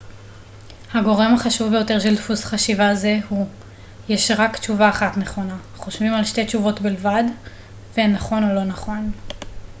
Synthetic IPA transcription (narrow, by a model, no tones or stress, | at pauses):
haɡo̞ʁe̞maχaʃuvbejo̞te̞ʁʃeldfusχaʃivazehu | jeʃʁakt͡ʃuvaːχatneχo̞na | χo̞ʃvimalʃte̞t͡ʃuvo̞tbilvad | venaχo̞no̞lo̞naχo̞n